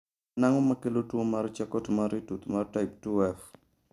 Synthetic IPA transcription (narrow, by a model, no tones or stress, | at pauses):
naŋɔmakelotwomaɾɔt͡ʃakɔtmaɾitut̪maɾtaɪp̚tuɛf